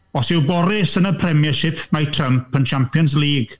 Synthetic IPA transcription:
ɔsɪwbɔɾɪsənəpʰrɛmjəʃɪpʰmatʰrəmpʰənt͡ʃʰampjɔns̬liːɡ̥

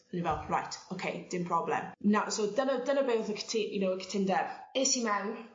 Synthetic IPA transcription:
ənivɛlˠɹa̰jtʰokʰejd̥ɪmpʰr̥ɔblɛ̰mnawsowdənədənəbeːθəkʰə̥tʰɪjənowəkʰə̥tʰɪndɛɪːsimɛwn

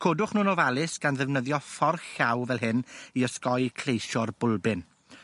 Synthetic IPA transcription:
kʰoːdʊχnuːnɔvalˠɪsɡ̥anðɛvnəðjɔfɔrxawvɛlˠɦɨniəskɔɨkʰl̥ejʃɔrbʊlˠbɪn

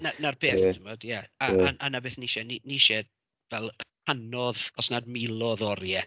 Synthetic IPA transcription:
nanarbeːθtʰəmɔdjaaaʔanabeːθniʃɛniniʃɛ | vɛlˠkanɔðɔsnadmɪlˠɔðɔɾjɛ

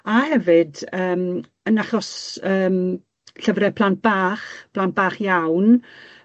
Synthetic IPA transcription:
ahɛvɨdəːm | ənaχɔsəːm | ɬəvɾɛpʰlˠant̚b̥aːχpʰl̥ˠant̚b̥aːχjawn

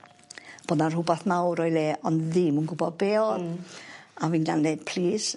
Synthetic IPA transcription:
b̥oːdnar̥hʊbaθmawɾɔjleːʔɔnðiːmunɡʊbɔðbeːɔð | aviːnɡandepʰliːs

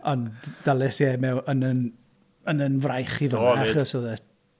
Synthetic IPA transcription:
ɔnd̥alˠɛsjɛmɛwənən | ənənvrajχivənaχɔsoðɛ

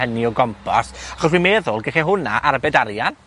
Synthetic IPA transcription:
əniɔɡɔmpʰɔsaχɔswimeðʊlˠɡɛχɛɦʊnaʔaɾbɛdaɾjan

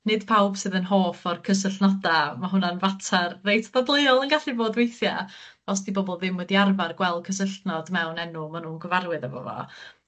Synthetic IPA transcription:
nɨd̥pʰawb̥sɨðənɦoːfɔrkʰəs̬əɬnɔdamaɦʊnanvatʰarːejtʰðablˠeɔlˠənɡaɬɨvoːdwejθja̰ | ɔsd̥ibɔbɔlˠðɪmwɛdiarvarɡwɛlˠkʰəs̬əɬnɔdmɛwnɛnʊmanuːnɡwəvarwɨðəvɔ̰vɔ̰

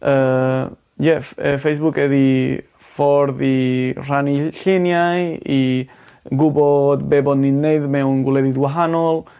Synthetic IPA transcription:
ə | jɛfəfejs̬bʊkʰɛði | fɔɾðir̥aniɬɪnjaji | ɡubɔdbebɔdninejðmɛwnɡwlɛðɪdɡwaɦanɔlˠ

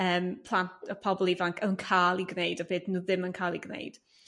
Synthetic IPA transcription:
əːmpʰlˠantʰɔpʰɔbɔlˠivaŋkʰənkʰaːlˠiɡnejdɔbeːdnuːðɪmənkʰaːlˠiɡnḛɨd̥

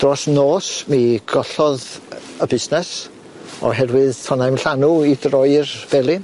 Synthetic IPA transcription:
d̥rɔsnoːsmiɡɔɬɔðəbɪsnɛs | ɔ̰ɦɛrwɨðtʰɔnajmɬanuidrɔɨrv̥ɛlˠi

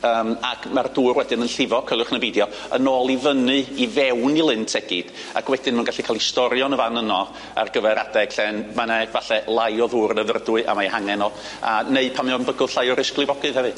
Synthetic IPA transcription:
əːmakʰmarduːrwɛdɨnənɬɪvɔkʰəlˠʊχnəbidjɔ | ənoːlˠivənɨivɛwnilˠɪntʰɛɡ̥ɨd̥ | a̰kʰwɛdɨnmɛnɡaɬikʰaːlˠistɔɾjɔnəvanənɔ | a̰rɡəvɛɾadɛɡɬɛnmanɛvaɬɛlˠajɔðuːrnəvərdwʊɨʔa̰majɦaŋɛnɔ | aneɨpʰamjɔnbəɡʊlˠɬajɔɾɪsklˠɨvɔɡɨðhɛvɨ

